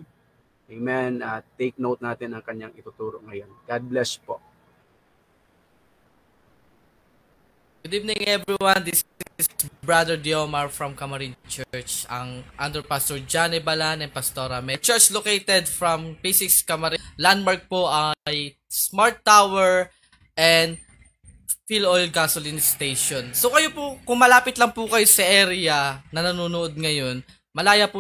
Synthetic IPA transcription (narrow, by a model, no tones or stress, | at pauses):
ʔejmɛnɐt̪ejk̚nowt̪̚naːt̪ɪnɐŋkɐɲːaŋɪt̪ut̪uːɾoŋɐjonɡad̪̚blɛspo | ɡ̥ʊd̪ivnɪ̃ŋʔɛvɹiwand̪issbɹad̪ɛɹd̪iomɐɹfɹɐmkɐmɐɾint͡ʃɛɹt͡ʃɐŋʔand̪ɛɹpast̪oɹd͡ʒanɛbɐlanɛn̚pɐst̪oɾɐmɛt͡ʃɛɹt͡ʃlokejt̪ɛd̪fɹɐmpisɪkskɐmɐɾiland̪bɐɹɡ̚poʔɐj | smaɹt̪ːawɛɹ | ʔɛnd̪̚ | filojlɡasolinst̪ejʃonsokɐjopʊkʊŋmɐlaːpɪt̪lɐŋpʊkɐjosɐʔɛɾɪjɐnɐnɐnuːnʊʔod̪̚ŋɐjo̞n | mɐlaːjɐpʊ